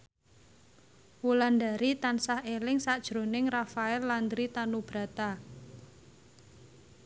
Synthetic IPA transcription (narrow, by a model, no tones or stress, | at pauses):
wuland̪aɾit̪ansahelɪŋsaʔd̥ʒ̥ɾo̤nɪŋrafaɛlːand̪ɾit̪anub̥ɾa̤t̪a